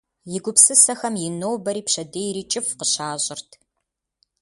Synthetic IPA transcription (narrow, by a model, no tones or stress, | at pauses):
jɪɡʷʊpsɨsɐxɐmjɪnoːwbɐɾiːpɕɐdeːjɾiːt͡ʃʼɪfqəɕaːʑʼɪrtʰ